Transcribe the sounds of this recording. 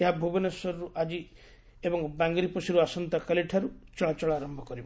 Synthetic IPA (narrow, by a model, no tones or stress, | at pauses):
eɦabʱubɔnesɔɾɾuʔad͡ʒi | ebɔŋbaŋɡɾipɔsiɾuasɔnt̪akaliʈʰaɾut͡ʃɔɭat͡ʃɔɭaːɾɔmbʱɔkɔɾibɔ